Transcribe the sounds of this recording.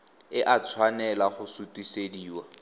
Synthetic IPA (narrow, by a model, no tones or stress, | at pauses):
ɪʔat͡sʰwanɛlaχʊsutʼisediːwa